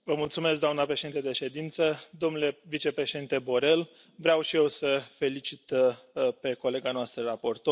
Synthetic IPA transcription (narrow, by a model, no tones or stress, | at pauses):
vəmult̪sume̞s̬ɡd̪oamnapɾe̞ʃed̪int̪əd̪e̞ʃe̞d̪int̪səd̪o̞mnule̞vit͡ʃe̞pɾe̞ʃe̞d̪int̪e̞bo̞ɾe̞l | vɾeawʃije̞wsəfe̞lit͡ʃit̪pe̞ko̞le̞ɡanoast̪ɾərapo̞rt̪o